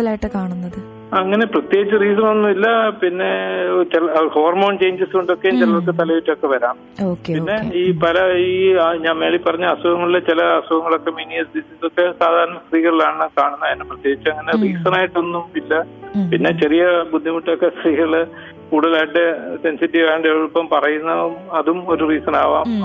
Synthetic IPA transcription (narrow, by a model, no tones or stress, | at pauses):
ɐlaːjiʈːɨkaːɳunːɐðɨ | ɐŋːɐne̞prɐt̪jeːɡit͡ɕːɨriːs̬ɐmɐnːumilːɐpinːe̞t͡ɕelhoːɐrmo̞ːɳt͡ɕe̞jɲd͡ʑɐsko̞ɳɖo̞kːent͡ɕɐlːɐok̬ːet̪ɐlɐʋitːokːe̞ʋɐɾaːm | oːkepinːe̞iːpɐlɐiːɲaːnme̞ːɭipːɐrɐɲːɨɐswɐɣɐŋːɐɭilːet͡ɕilɐːswɐbɐŋːɐɭo̞kːe̞miːniɐsdisisokːe̞saːd̪ʱaːɾɐɳɐsriːɣɐɭlaːɳɳɨkaːɳunːɐðɐnːɨprɐt̪jeːɡit͡ɕːuɐŋːɐneriːsɐnaːjiʈːonːumilːɐpinːe̞t͡ɕerijɐbud̪ʱːimuʈːɐokːest̪riːɣɐɭɨ | kuːɽɐlaːjiʈːɨse̞nsitːiʋaːjɳɖeʋɭpːɐmpɐrɐjunːɐumɐðumoɾuriːsɐnaːʋa̰ːm